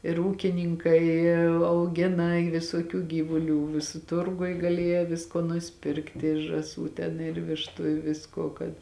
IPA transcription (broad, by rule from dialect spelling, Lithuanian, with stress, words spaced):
ɪr ˈuːkʲɪˌnʲiːŋkɐɪ ɐʊˈɡʲɪnɐ ɪ ʋʲɪsuɔˈkʲuː ˈɡʲiːʋʊˌlʲuː ʋʲɪˈsʊ ˈtʊrɡʊj ˈɡɑːlʲiɛjɛ ˈʋʲɪskoː nʊsʲɪˈpʲɪrktʲɪ ʒɑːˈsuː tʲɛn ɪr ˈʋʲɪʃtʊ ɪ ˈʋʲɪskuɔ kɐt